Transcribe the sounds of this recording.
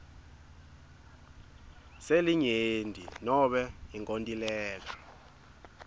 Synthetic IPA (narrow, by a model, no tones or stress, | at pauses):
seliɲendʱinɔɓɛiŋkʼontʼilɛːla